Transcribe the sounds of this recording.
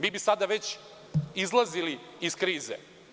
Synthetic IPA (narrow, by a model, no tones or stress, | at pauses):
miːbisad̪aʋet͡ɕ | izlˠazili | iskɾiːzḛ